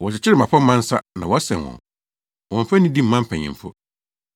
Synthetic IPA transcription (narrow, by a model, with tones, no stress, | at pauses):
wɔ˨ɕɪ˨t͡ɕʰɪ˦ɾɪ˦˨mã˨pʰɔ˦m̩˦mã˦n̩˦sa˦nã̰˨wɔ˨˦a˦sɛ̰̃˨nwɔ̰̃˨n | wɔ̃˨m˨fɛ˦nĩ˦di˦m̩˦mã˦m̩˦pʰɛ̃˨ɲɪ̰̃˨fʊ˦